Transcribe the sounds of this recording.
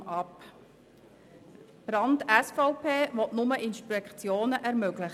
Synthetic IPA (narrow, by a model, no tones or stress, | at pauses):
ɑp | b̥ɾɑndɛsfɔʊpʰeːʋɔtnʊməʔɪnʃpɛkt͡sjoːnəʔɛɾmøɡlɪχ